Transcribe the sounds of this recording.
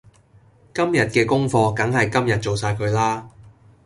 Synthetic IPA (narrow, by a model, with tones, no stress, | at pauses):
kɐ˥mjɐ˨t̚kɛː˧kʊ˥ŋfɔː˧kɐ˨˥ŋhɐ˨jkɐ˥mjɐ˨t̚t͡so˨wsaː˧jkʰɵ˨˧ɥlaː˥